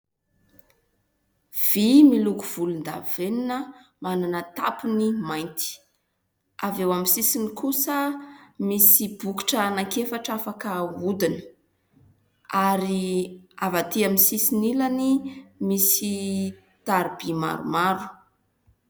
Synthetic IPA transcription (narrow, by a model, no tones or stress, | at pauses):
v̥imilukuv̥ulund̪a̰veninəmananət̪a̰punimajnt̪i̥ | avewamisisinikusəmisib̥uki̥ʈ͡ʂəːnakefaʈ͡ʂafakəud̪inə̥ | aɾiavat̪iamisisinilanimisi | t̪aɾibima̰ɾṵmaɾu̥